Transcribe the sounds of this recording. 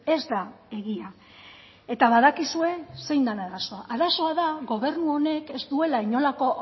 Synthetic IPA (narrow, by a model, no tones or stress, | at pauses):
e̞zd̪a | e̞ɣia | e̞t̪aβaðakisue̞se̞jnd̪anaðaso̞aʔaðaso̞aðaɣo̞βe̞ɾnuo̞ne̞ke̞zt̪ue̞laiɲo̞lako̞